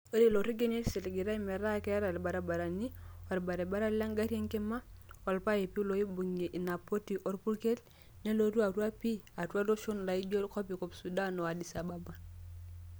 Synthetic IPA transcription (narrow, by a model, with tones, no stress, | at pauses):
o˦le˦˨lo˨ɾi˦ɡe˦ne˦se˨lɡi˨ɾa˦i˦me˨ɾa˦ke˦a˦ɾa˨ɾba˨ɾa˨ba˨ɾa˨ni˦wa˨ɾba˨ɾe˨ba˦ɾa˦la˦ŋɡa˦ɾe˦ŋke˦ma˦wa˨lpa˦je˨pi˦lo˨˦i˦bu˨ŋe˨ʔi˨na˨po˦ti˨ʔo˦ɾpu˦lke˦l | ne˦lo˦ɾu˦a˨ɾu˦a˦pi˦a˨tu˦a˦do˦ʃu˦n˨la˨i˦d͡ʒo˦ɾko˦pi˨ko˨psu˨da˦no˨wa˨di˨sa˨ba˦ba˨